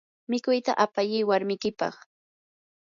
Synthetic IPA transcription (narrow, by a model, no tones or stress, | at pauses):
mɪkʊjt̪a̰ʔapaʎɪːwaɾmɪjkɪpɑ̰χ